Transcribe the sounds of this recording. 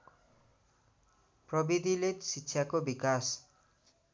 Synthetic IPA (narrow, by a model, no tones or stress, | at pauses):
prʌbid̪ʱilet̪sitːʃʰakobikas